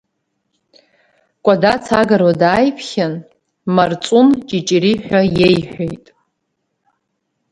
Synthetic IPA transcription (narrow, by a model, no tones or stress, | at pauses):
kʷʼadat͡sʰaɡaɾwadaːjpʰχʲan | mart͡sʷʼunt͡ʃʼit͡ʃʼiɾiħʷᶣajejħʷᶣejtʼ